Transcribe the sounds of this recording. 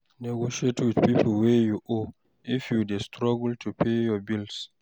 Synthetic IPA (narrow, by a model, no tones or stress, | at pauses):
nɛɡoʃietwidpipʰlwɛjuʔo | ʔifjudestʰɾɔɡltʰupʰejɔbils